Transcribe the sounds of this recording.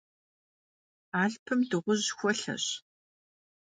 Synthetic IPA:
aːɮpʰɨmdɨʁʷʊʑxʷɔɬɐ̰ɕ

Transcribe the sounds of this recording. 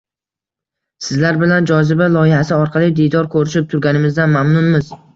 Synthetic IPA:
sɪzlaɾbɪland͡ʒɒzɪbalˠɒjɪhasɪɒɾqʰɑlˠijd̪id̪ɒɾkʰɵɾɪʃɪp̚t̪ʰʊɾɡʲanɪmɪzd̪anmamnʊnmɪz

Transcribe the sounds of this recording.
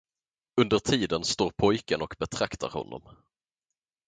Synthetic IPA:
ɵnd̪əɾʈ̪ʰiːd̪ənst̪oːɾpʰɔjkənɔkbɛt̪ʰɾakt̪ʰa̰ɾhɔ̰nːɔ̰m

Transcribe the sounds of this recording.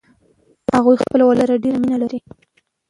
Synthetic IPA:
haɣujxpəlawalaɾaɖeɾaminalaɾi

